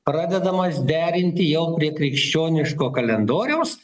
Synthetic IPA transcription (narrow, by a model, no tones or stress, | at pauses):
pɾɑːd̪ʲɛd̪ɐmɐsd̪ʲæːɾʲɪnʲt̪ʲɪjɛʊpʲɾʲiɛkɾʲɪkʃʲt͡ʃʲoːnʲɪʃkoːkɐlʲɛnd̪oːɾʲɛʊs